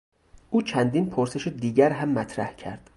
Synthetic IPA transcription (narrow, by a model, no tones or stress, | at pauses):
ʔuːt͡ʃʰænd̪iːnpʰoɾse̞ʃed̪iːɟæɾɦæmːæt̪ʰɾæhcʰæ̰ɾd̪̥